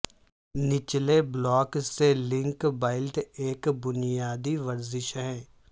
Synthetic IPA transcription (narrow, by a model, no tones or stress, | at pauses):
nɪt͡ʃleblɔːkselɪ̃ŋkbaːɪlʈeːkbʊnɪjaːd̪iʋəɾzɪʃɦɛ̃ː